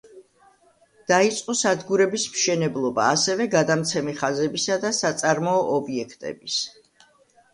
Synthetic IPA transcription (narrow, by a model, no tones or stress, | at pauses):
d̪̥ait̪sʼqʼɔsad̪ɡuɾɛbismʃɛnɛblˠɔba̰ːsɛvɛɡad̪amt̪sʰɛmiχazɛbisad̪asat̪sʼaɾmɔːʔɔbiɛkʰt̪ʼɛ̰bis